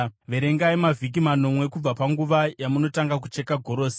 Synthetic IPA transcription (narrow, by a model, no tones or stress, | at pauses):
ʋe̞ɾe̞ŋɡaimavʱik̬imano̞mwe̞kub͡vapaŋɡuʋajamuno̞taŋɡak̬ut͡ʃe̞kaɡʱo̞ɾo̞ːse̥